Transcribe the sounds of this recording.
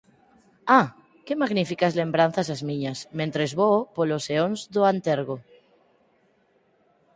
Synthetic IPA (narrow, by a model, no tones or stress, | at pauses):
a | kemaɣnifikazlembɾan̟θas̬azmĩɲasmẽnt̪ɾezβoopoloseonzðoant̪eɾɣo